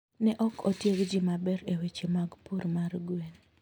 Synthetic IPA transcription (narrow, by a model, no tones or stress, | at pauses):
nɛʔɔkʰɔtjeɡd͡ʒimabɛɾewet͡ʃemaɡpuɾmarɡwen